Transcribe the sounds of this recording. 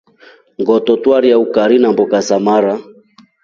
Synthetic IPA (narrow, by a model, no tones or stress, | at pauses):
ŋɡɔtɔtwaɾiaukaɾinambɔkasamaɾa